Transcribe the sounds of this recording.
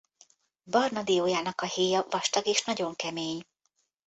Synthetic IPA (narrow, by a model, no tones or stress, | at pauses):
bɒrnɒd̪ijoːjaːnɒkɒheːjɒvɒʃt̪ɒɡeːʃnɒɟo̞ŋkɛmeːɲ